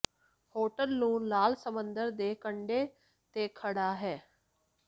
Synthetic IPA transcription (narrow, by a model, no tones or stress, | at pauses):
hoːʈəlnũːlaːlsəmənd̪əɾd̪eːkəɳɖeː | t̪eːkʰəɽaːɦɛː